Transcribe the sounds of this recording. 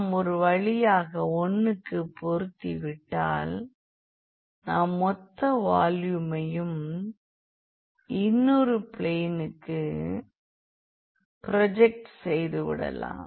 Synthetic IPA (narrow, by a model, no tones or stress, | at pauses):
mɔɾɯʋɐɻɪjaːɣɐɔnːɯkːɯpːɔɾɯt̪ːiʋɪʈːa̰ːl | naːmːɔt̪ːɐʋaːljɯmɐjɯm | ɪnːɔɾɯpɪɭeːnɯkːɯ | pɾɐd͡ʒɛk̚ʈsɛjðɯʋɪ̰ɽɐ̰la̰ːm